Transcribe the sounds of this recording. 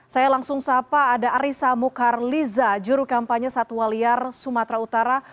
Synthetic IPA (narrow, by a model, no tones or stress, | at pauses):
sajalaŋsʊŋsapaːdaɾisamukarlizad͡ʒuɾukampaɲasat̪uwaliarsumat̪ɾaut̪aɾa